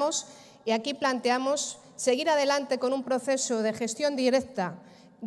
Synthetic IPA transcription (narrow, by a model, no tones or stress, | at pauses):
os | iakiplant̪eamosː | e̞ɣiɾað̞e̞lant̪e̞ko̞nũmpɾoθesoðexe̞st̪jo̞nd̪iɾekt̪a